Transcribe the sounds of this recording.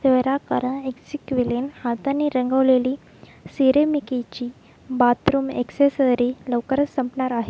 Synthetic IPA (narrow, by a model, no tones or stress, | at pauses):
seʋɾakəɾə̃eksikʋiljenhat̪anːiɾəŋɡəʋleli | siɾemikit͡ɕiː | bat̪ɾuːmḛksesəɾiləʋkəɾəsəmpnaɾaɦe